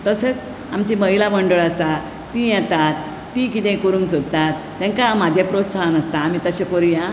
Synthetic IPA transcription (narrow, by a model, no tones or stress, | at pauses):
t̪əsət͡s | amt͡ɕiməɦilaməɳɖəɭasa | t̪ĩjɛt̪at̪ː | ĩkit̪ɛ̃koɾũŋksod̪̚ʱt̪at̪ːɛ̃ŋkamad͡ʑʱepɾot̪saɭanəst̪aːmit̪əɕekoɾjã